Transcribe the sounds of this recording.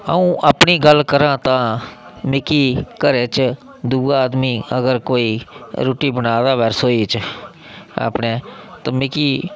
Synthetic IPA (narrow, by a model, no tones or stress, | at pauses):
ə̰ũːʔəːpɳiːɡəlkəɾãːt̪ãːmɪkiːkəɾeːt͡ʃ | d̪uːaːd̪miːəɡəɾkoːiːɾuːʈiːbənaːd̪aːʋɛːɾsoːiːt͡ʃ | a̰ːpneːt̪ãːmɪkiː